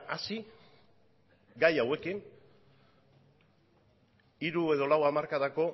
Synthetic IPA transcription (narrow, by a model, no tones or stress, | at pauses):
asi | ɡajawe̞kiŋ | iɾue̞ðo̞lawamaɾkaðako̞